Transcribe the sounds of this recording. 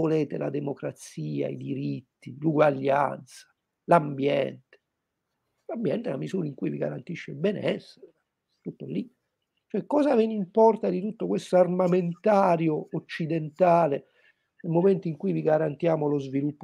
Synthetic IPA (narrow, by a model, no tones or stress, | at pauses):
oleːt̪ela̰d̪emokɾat̪siːa̰ḭd̪iɾit̪ːiluɡwaʎːa̰nt̪sḁ | lambjɛ̰nt̪e̥ | lambjɛnt̪elamizuːɾaiŋkuiviɡa̰ɾant̪iʃːebɛnɛsːeɾe | t̪ut̪ːolːi | t͡ʃoɛkːɔːzavenimpɔrt̪ad̪it̪ut̪ːokwest̪oarmament̪aːɾjoot͡ʃːid̪ent̪aːle | nelmoment̪uiŋkujviɡaɾant̪jaːmolozvilupː